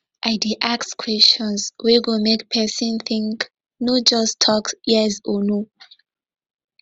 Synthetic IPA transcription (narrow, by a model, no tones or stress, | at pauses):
ʔaɪdiʔakskʰwɛst͡ʃɔ̃nswiɡimekpʰɛsĩnθĩŋk | nɔd͡ʒɔstʰɔkjɛsɔno